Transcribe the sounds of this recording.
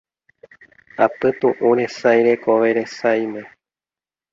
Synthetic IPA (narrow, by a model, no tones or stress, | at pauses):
apɨt̪ũʔũɾe̞sajɾe̞koʋe̞ɾe̞sajmẽ̞